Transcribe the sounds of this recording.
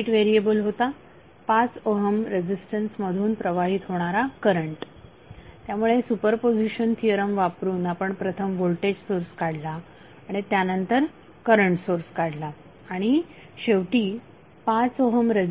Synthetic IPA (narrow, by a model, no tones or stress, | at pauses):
ʈʋeɾiebəlɦot̪a | pat͡soɦəmɾed͡ʑisʈənsməd̪ʱuːnpɾəʋaɦiːt̪ɦoɽ̃aɾakəɾəɳʈ | t̪jamuɭesupəɾpod͡ʑiɕənt̪ʰijəɾəmʋapɾuːnapəɳpɾət̪ʰəmʋolʈed͡ʑsoɾskaɽ̤laː | ɽ̃it̪janənt̪əɾ | kəɾəɳʈsoɾskaɽ̤laː | ɽ̃i | ɕeʋʈiː | pat͡soɦəmɾe